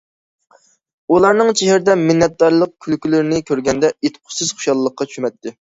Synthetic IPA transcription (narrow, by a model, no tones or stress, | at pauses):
ulˠɑɾnɨŋt͡ʃʰeɦɪɾɪd̪ɛmɪnːɛt̪̚d̪ɑɾlˠəq̚kʲʰylkʲylɪɾɪnɪkʲʰøɾɡʲɛnd̪ɛet̪qʰʊ̥sɨz̥χo̥ʃɑlˠːəqʰːɑt͡ʃʰy̥ʃymɛt̪ʰːɪ